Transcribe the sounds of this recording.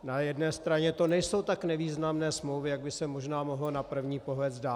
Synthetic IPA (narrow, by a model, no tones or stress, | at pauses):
najɛdnɛːst̪ɾaɲɛt̪o̞nɛjso̞wt̪aknɛviːznamnɛːsmlowvɪjaɡ̚bɪsɛmo̞ʒnaːmoɦlonapr̩vɲiːpo̞ɦlɛd͡zdaː